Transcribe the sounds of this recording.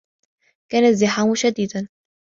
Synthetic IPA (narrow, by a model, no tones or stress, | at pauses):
kaːnazːɪħaːmʃad̪iːd̪an